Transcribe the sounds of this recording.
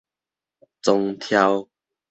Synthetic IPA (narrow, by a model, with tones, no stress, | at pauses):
t͡so˧ŋt̪ʰja˧w